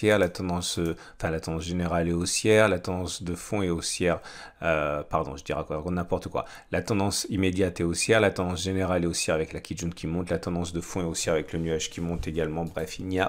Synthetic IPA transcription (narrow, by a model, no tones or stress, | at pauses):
ɛʁlat̪ɑ̃d̪ɑ̃sø | ɑ̃fɛ̃lat̪ɑ̃d̪ɑ̃s̬ʒeneʁaleosjɛʁlat̪ɑ̃d̪ɑ̃sd̪əfɔ̃eosjɛʁ | øpaʁd̪ɔ̰̃ʒəd̪iʁakãkɔ̃t̪nɛ̃pɔʁt̪əkwa̰ | lat̪ɑ̃d̪ɑ̃simed̪jat̪ɛosjɛʁlat̪ɑ̃d̪ɑ̃sʒeneʁaleosjɛʁavɛklakʲid̪ʒũnkʰʲimɔ̃t̪lat̪ɑ̃d̪ɑ̃sd̪əfɔ̃eosjɛʁavɛklənyaʒkʲʰimɔ̃t̪eɡalmɑ̃bʁɛfilnia